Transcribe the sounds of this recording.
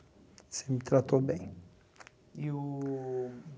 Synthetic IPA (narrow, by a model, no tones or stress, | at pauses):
sẽmt̪ɾat̪obẽj̃ | iu